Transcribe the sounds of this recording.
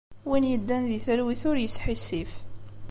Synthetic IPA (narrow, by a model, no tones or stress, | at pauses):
winjəd̪ːænðiθəɾwiθʊɾjəsħisif